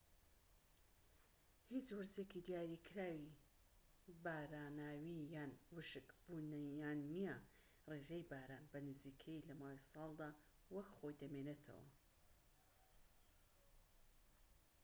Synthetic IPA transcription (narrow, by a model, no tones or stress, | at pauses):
hit͡ʃwɨɾzekid̪ijaːɾikʰɾaːwi | baːɾaːnaːwijaːnwɨʃɨkb̥unɐjaːnːijɐ | reːʒejbaːɾaːnbɐnɨziːkʰɐjilɐmaːwisɑːlˠd̪aː | wɐkχo̞jd̪ɐmeːnet̪ʰɐ̰wɐ̰